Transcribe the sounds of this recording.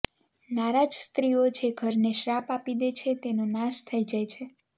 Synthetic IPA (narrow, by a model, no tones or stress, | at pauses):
naɾad͡ʒst̪ɾiod͡ʒeɡʱəɾneʃɾapapid̪et͡ʃʰet̪enonaʃt̪ʰəid͡ʒajt͡ʃʰe